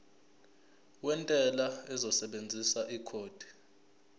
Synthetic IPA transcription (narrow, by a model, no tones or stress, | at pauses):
wɛntʼɛlaɛzɔsɛɓend͡zʱisaʔikʰoːd̥ʱi̥